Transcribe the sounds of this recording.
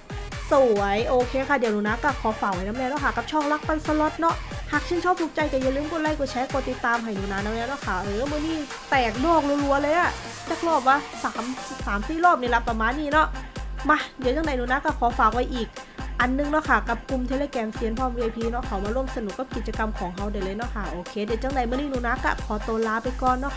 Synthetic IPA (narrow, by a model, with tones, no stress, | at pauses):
su˨˩ɐ˦jʔoː˧kʰeː˧kʰa˧˥˩di˨˩˦ə˦nuː˧na˦˧˥kɔː˧˩kʰɔː˨˦faː˨˩kwa˧˩jna˧˥mnɛː˧˥nɔ˧˥kʰa˧˩kːa˧˩p̚t͡ɕʰɔː˧˥˩ŋla˦˥k̚pa˧˨nsa˧lo˧˦˥t̪̚nɔ˦˥ʔhaː˨˩k̚t͡ɕʰe˧˥˨nt͡ɕʰɔː˥˩p̚t̪ʰu˧˩k̚t͡ɕa˧jka˧˩ja˧˩lɯː˧˥˨mkʰo˧˥la˧˥˩jkɔ˧˩t͡ɕʰɛ˧˦˥ko˧˩t̪i˨˩t̪ːaː˧mɦa˨˩jnuː˧˩naː˧˥nːa˧˥mnɛː˧˥˩nɔ˧˥˩kʰa˥˩ɾɯː˨˦mɯ˧˨niː˧˥˩ | t̪ɛː˨˩k̚dɔː˥˩k̚lu˧˦lu˧˦ɐlɤː˧jʔa˧˩ | t͡ɕaː˧˩k̚lɔː˥˩p̚waː˧˥saː˩˦msaː˩˦msiː˧˥˩lɔː˥˩p̚ni˧˩˨la˦˧˥pːa˧maː˧˨nːiː˧˩nɔ˦˥ʔma˧˩di˨˦t͡ɕa˧˩ŋda˨˩˦jnuː˧˩na˦˥kːɔː˧˩kʰɔː˨˦faː˨˩k̚wa˧˥jʔiː˨˩k̚ | ʔa˧nːɯ˨˧ŋnɔ˦˥˩kʰa˧˩ka˨˩p̚ku˧mt̪ʰe˧˥leː˧kɛː˧nfi˧ənpʰɔː˧˩˨mɾiː˧ʔa˧jpʰiː˧nɔ˦˧˥kʰa˨˩wmaː˧ɾu˥˩əmsa˧n˨˩kːa˧˩pki˨˩t̪̚t͡ɕa˧ka˧mkʰɔː˩˦ŋɦa˧˩wda˨˩jlɤː˧jnɔ˦˧˥kʰa˥˩ʔoː˧kʰeː˧dɛː˨˩t͡ɕa˧˥˩ŋda˨˩jmɯ˧˩˨niː˥˩nuː˧˦na˦˧˥kːa̰˧˩kʰɔː˨˦t̪oː˧nlaː˦˥pa˧jkɔː˨˩nːɔ˦˧˥